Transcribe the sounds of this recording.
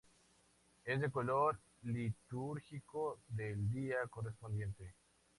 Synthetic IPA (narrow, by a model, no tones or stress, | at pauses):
esd̪ekoloɾ | lit̪uɾxikod̪eld̪iakorespond̪jẽnt̪e